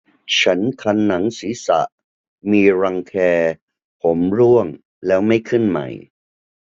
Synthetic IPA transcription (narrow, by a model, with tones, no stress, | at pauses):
t͡ɕʰa˦˥nkʰa˧nːa˩˦ŋsiː˩˦sa̰˨˩ʔ | miː˧ɾa˧ŋkʰɛː˧ | pʰo˩˦mɾu˥˩əŋ | lɛː˦˥wma˥˩jkʰɯ˥˩nma̰˨˩j